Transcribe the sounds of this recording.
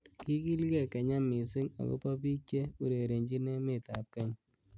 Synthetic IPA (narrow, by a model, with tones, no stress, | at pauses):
ki˦ki˦lkɛ˨kɛ˨ɲa˦mi˨sɪ˦ŋa̰˨kɔ̰˦pɔ˦pi˦t͡ʃe˦u˨ɾe˨ɾe˨ɲd͡ʒi˦nɛ˦me˨ta˨p̚kɛ˦ɲ